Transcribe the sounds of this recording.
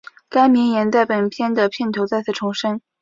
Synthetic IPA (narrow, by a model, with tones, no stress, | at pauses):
ka˥ɪmi˧˥ŋjɛ˧˥nt͡sa˥˩ɪpə˨˩npʰjɛ˥˩nd̪ə˨˩pʰjɛ˥˩nt̪ʰo˧˥ʊt͡sa˥˧ɪt͡s̩ʰ˥˩ʈ͡ʂʰʊ˧˥ŋʂə˥ŋ